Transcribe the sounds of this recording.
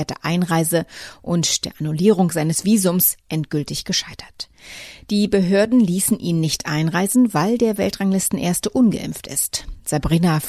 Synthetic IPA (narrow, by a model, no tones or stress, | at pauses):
ɐtəʔaɪnʁaɪzəʔʊntd̥eːɐʔanuliːʁ̞ʊŋzaɪnəsv̥iːzʊmsʔɛntɡ̥ʏltɪçɡ̥əʃaɪtʰɐ̥t | d̥iːbəɦøːɐdn̩liːsn̩ʔiːnːɪçtʔa̰ɪnʁaɪzn̩vaɪldeːɐvɛ̰ltʁ̥aŋlɪstn̩ʔeːɐstəʔʊnɡə̰ʔɪ̰mftɪ̰stz̥abʁiːnaf